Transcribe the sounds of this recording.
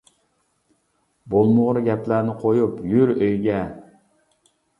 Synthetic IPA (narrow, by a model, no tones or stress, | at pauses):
bolˠmʊʁɾɡʲɛplæɾnɪqʰojupjyɾøjɡʲɛ